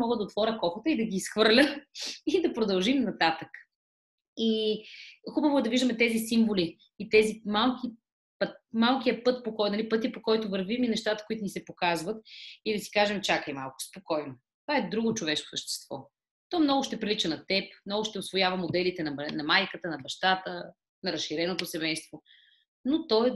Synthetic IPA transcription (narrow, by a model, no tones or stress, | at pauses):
mɔɡəd̪ɐot̪vɔɾʲəkɔxət̪əid̪ɐɡʲiːsxvɤɾlʲəid̪ɐpɾod̪ɐlˠʒimnɐt̪at̪ək | i | xubəvoɛd̪ɐviʒd̪əmɛt̪ɛzisiɱvoliː | t̪ɛzimalˠkʲi | pət̪̚malˠkʲijəpɤt̪̚pokɔjnɐlipɤt̪̬ipokɔjt̪ʊvəɾviminɛʃt̪at̪ə̥koit̪ʊnisɛpokazvət̪id̪ɐsi̥kaʒɛmt͡ʃakəjma̰lˠkʊ̥spokɔjno | t̪ovaɛd̪ɾuɡot͡ʃovɛʃko̥səʃt̪ɛ̥st̪vɔ̰ | t̪ɔmnɔɡʊʃt̪ɛpɾilit͡ʃənɐt̪ɛpmnɔɡʊʃt̪ɛosvojavəmod̪ɛlit̪ɛnɐnɐmajkət̪ənɐbɐʃt̪at̪ə | nɐɾɐsʃːiɾɛnot̪osɛmɛjst̪vo | not̪ɔj